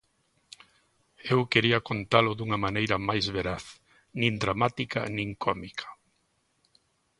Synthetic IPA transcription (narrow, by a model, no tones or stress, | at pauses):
ewkeɾiɐkont̪alʊðuŋɐmanejɾɐmajzβeɾaθ | nĩnd̪ɾamat̪ika̰nĩŋkʰɔmikʰḁ